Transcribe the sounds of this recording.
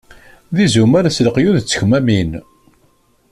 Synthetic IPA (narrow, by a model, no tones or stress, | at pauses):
ðizumæɾsləqjuðt͡sːə̥çmæmin